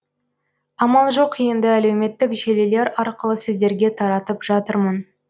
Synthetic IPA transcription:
ɑmɑlˠʒo̞qje̞nd̪ɪæle̞wme̞t̪ːɪkʒele̞le̞ɾɑɾqəlˠəsɪzd̪e̞ɾɡʲe̞t̪ʰɑɾɑt̪əpʒɑt̪əɾmən

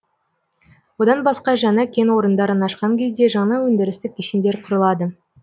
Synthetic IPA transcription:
wo̞d̪ɑnbɑsqɑʒɑnɑkʲʰe̞nwo̞ɾənd̪ɑɾənɑʃqɑŋkʲʰe̞zd̪eʒɑɴnɑwɵnd̪ɪɾɪst̪ɪkʲʰːeʃend̪e̞ɾqʰʊɾəlˠɑd̪ə

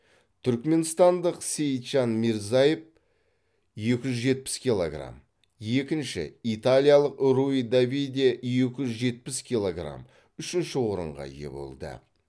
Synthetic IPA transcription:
t̪ʰʏɾkme̞nst̪ɑnd̪əqsejt̪ʒanmiɾzajef | je̞kʲɪʒʏzʒe̞t̪̚pɪ̥skʲilˠo̞ɡra̰m | je̞kʲɪnʃɪ̰it̪alʲijalˠəqɾuid̪abid̪ʲeje̞kʲɪʒʏzʒe̞t̪̚pɪskʲijlˠoɡra̰m | ʏʃɪnʃɪwo̞ɾə̰ɴʁɑ̰je̞̰bo̞̰lˠd̪ə̰

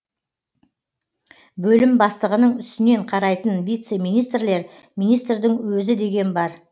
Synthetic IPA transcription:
bɵlɪmbɑst̪əʁənəɴʏst̪ɪne̞ɴqʰɑɾɑjt̪ənvijt̪se̞mijnijst̪rle̞ɾ | mijnijst̪rd̪ɪŋwɵzɪd̪e̞ɡʲe̞nbɑɾ

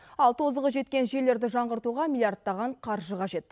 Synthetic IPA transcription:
ɑlˠt̪ʰo̞zəʁəʒe̞t̪kʲe̞nʒe̞le̞ɾd̪ɪʒɑɴʁəɾt̪uʁɑmʲilʲˠijardt̪̚ːɑʁɑɴqʰɑɾʒəqʰɑʒe̞t̪̚

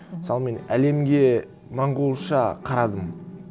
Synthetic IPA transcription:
məsɑlˠme̞næle̞mɡʲe̞ | mɑɴʁulˠʃɑqʰɑɾɑd̪əm

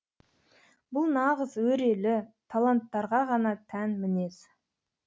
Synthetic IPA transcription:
bʊlˠnɑʁəzwɵɾe̞lɪt̪ʰalˠant̪ːɑɾʁɑʁɑnɑt̪ʰænmɪne̞s

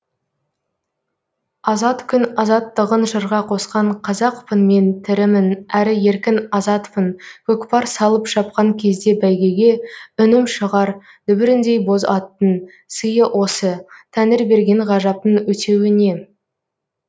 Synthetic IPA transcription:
ɑzɑt̪kʲʰʏnɑzɑt̪ːəʁənʒəɾʁɑqʰo̞sqɑɴqʰɑzɑqpʰənme̞nt̪ʰɪɾɪmɪnæɾɪje̞ɾkʲɪnɑzɑt̪pʰənkʲʰɵkpɑɾsɑlˠəpʃɑp̚qɑŋkʲʰe̞zd̪e̞bæjɡʲe̞ɡʲe̞ʏnɪmʃəʁɑɾ | d̪ʏbɪɾɪnd̪e̞jbo̞zɑt̪ːən | səjəʔwʔo̞sət̪ʰænɪɾbe̞ɾɡʲe̞ɴʁɑʒɑp̚t̪ənwɵt̪e̞wɪne̞

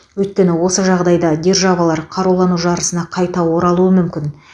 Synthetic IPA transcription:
wɵjt̪̚kʲe̞nɪwo̞səʒɑʁd̪ɑjd̪ɑd̪ʲe̞rʒavɑlˠɑɾqʰɑɾulˠɑnuʒɑɾəsənɑqʰɑjt̪ɑwo̞ɾɑlˠuəmʏmkʲɪn

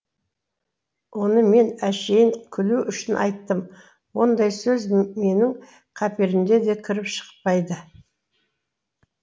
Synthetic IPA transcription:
wo̞nəme̞næʃe̞jɪŋkʲʰʏluʔʏʃɪnʔɑ̰jt̪ːəm | wo̞nd̪ɑjsɵzme̞nɪŋ | qʰɑpe̞ɾɪmd̪e̞d̪e̞kʲʰɪɾɪpʃə̥q̚pɑjd̪ə

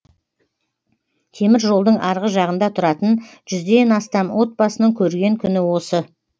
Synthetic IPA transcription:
k̪ʲʰe̞mɪɾʒo̞lˠd̪əɴʔɑɾʁəʒɑʁənd̪ɑt̪ʰʊɾɑt̪ənʒʏzd̪e̞nɑst̪ɑmwʔo̞t̪̚bɑsənəɴkʲʰɵɾɡʲe̞ŋkʲʰʏnɪwo̞sə

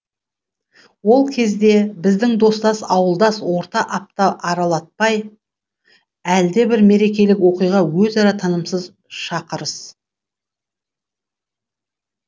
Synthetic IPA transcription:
wo̞lˠkʲʰe̞zd̪e̞bɪzd̪ɪŋd̪o̞st̪ɑsɑwəlˠd̪ɑswo̞ɾt̪ɑʔɑp̚t̪ɑʔɑɾɑlˠɑt̪̚pɑj | æld̪e̞bɪɾme̞ɾe̞kʲe̞lɪkwo̞qijʁɑwɵzɑɾɑt̪ʰɑnəmsəz | ʃɑqəɾəs

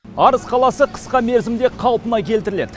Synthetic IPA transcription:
ɑɾəsqʰɑlˠɑsəqʰə̥sqɑme̞ɾzɪmd̪e̞qʰɑlˠpənɑkʲʰe̞lt̪ɪɾɪle̞d̪ɪ

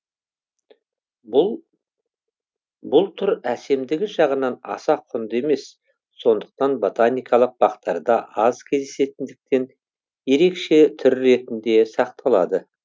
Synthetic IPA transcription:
bʊlˠt̪ʰʏɾæse̞md̪ɪɡʲɪʒɑʁənɑnɑ̰sɑqʰʊnd̪e̞me̞s | so̞nd̪əq̚t̪ɑnbo̞t̪anijkʰɑlˠəq̚b̥ɑqt̪ɑɾd̪ɑʔɑzkʲʰe̞zd̪ese̞t̪ɪnd̪ɪk̚t̪e̞n | je̞ɾe̞kʃe̞t̪ʰʏɾːe̞t̪ɪnd̪e̞sɑqt̪ʰɑlˠɑ̰d̪ə

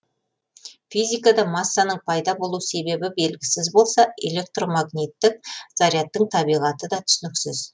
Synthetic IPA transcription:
fijzijkad̪ɑmɑsːɑnəɴpʰɑjd̪ɑbo̞lˠuse̞be̞bɪbe̞lɡʲɪsɪzbo̞lˠsɑʔe̞̰le̞k̚t̪ro̞maɡnʲit̪ːɪk̚zaɾijat̪ːəɴt̪ʰɑbijʁɑt̪əd̪ɑt̪ʰʏ̥sʏnɪksɪz̥

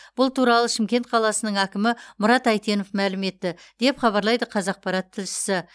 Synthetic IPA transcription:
b̥ʊlˠt̪ʰuɾɑlˠəʃɪmkʲe̞nt̪qʰɑlˠɑsənəɴækʲɪmɪmʊɾɑt̪æjt̪e̞nofmælɪme̞t̪ːɪ | d̪̥e̞pχɑβɑɾlˠɑjd̪əqʰɑzɑq̚pɑɾɑt̪ʰːɪlʃɪ̥sɪ

